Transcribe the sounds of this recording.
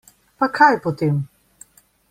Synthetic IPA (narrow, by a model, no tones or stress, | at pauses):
pɐkʰajpot̪im